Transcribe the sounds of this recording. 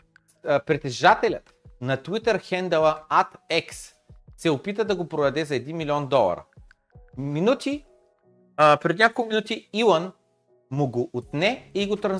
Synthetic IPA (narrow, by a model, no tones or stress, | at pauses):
pɾɛt̪ɛʒat̪ɛlʲət̪ | nɐt̪wit̪əɾxɛnd̪ɛlˠəat̪ɛks | sɛopit̪əd̪ɐɡopɾoɐd̪ɛzɐɛd̪inmʲilʲiɔnd̪ɔlˠɐ̰ɾə̰ | minut̪i | pɾɛd̪nʲakolˠminut̪iilˠən | mʊɡoʔːt̪nɛiɡot̪ɾɐn